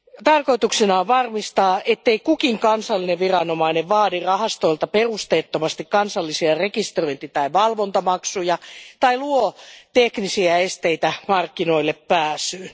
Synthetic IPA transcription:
t̪ɑrkoit̪uksenɑːʋʋɑrmist̪ɑːʔet̪ːeikukiŋkɑnsɑlːineʋʋirɑnomɑineʋʋɑːdirɑhɑst̪oilt̪ɑperust̪eːt̪ːomɑst̪ikkɑnsɑlːisiɑrekist̪roint̪it̪ɑiʋɑlʋont̪ɑmɑksujɑt̪ɑiluot̪eknisiæest̪eit̪æmɑrkːinoilːeppæːsyː

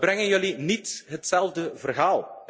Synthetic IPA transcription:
brɛŋənjɵlinitɦətsɛlˠvdəvərɦaːlˠ

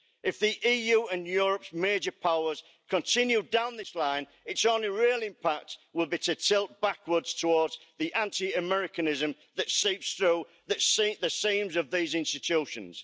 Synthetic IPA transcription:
ɪfðiʔiːjʉːə̃njʊːɹəpsmeɪd͡ʒəpʰaʊəz̥ | kʰə̃ntʰɪ̃njudãʊ̃nðɪslãɪ̃n | ɪtsõʊ̃nliɹɪːlˠɪ̃mpʰak̚twɪlˠbitʰɨtʰɪlˠt̚b̥akwə˞dz̥tʰəwɔːdz̥ðiʔãntʰiəmɛɹɪkənɪzə̃m | ðətsiˑpsθɹuː | ðətsðəsĩːmzəvðiːzɪ̃nstɪt͡ʃʰʉˑʃə̃nz̥

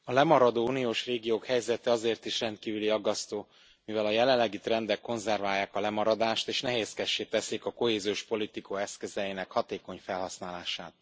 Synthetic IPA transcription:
ɒlɛmɒɾɒd̪oːuːnijoːʃreːɡijoːkhɛjzɛt̪ɛɒzeːrt̪iʃrɛnt̪̚kiːvyliɒɡːɒst̪oː | mivɛlɒjɛlɛlːɛɡit̪rɛnd̪ɛkːo̞nzɛrvaːjːaːkɒlɛmɒɾɒd̪aːʃt̪eːʃnɛɦeːskɛʃːeːt̪ɛsikɒko̞heːzijoːʃpo̞lit̪ikʰoɛskøzɛinɛkhɒt̪eːko̞ɲfɛlɦɒsnaːlaːʃaːt̪̚

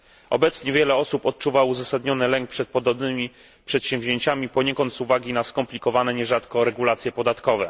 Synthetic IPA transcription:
ʔɔ̰bɛt̪sɲɛvʲjɛlɛɔsupɔt̪̚t͡ʂuvawuzasad̪ɲɔnɘlɛŋk̚pʂɛt̪̚pɔd̪ɔbnɘmʲi | pʂɛt̪ɕɛ̃mvʲʑeɲt͡ɕamʲipɔɲɛkɔnt̪suvaɡʲinaskɔmplʲikɔvanɛɲɛʐat̪kɔɾɛɡulat̪sʲjɛpɔd̪at̪kɔvɛ̰

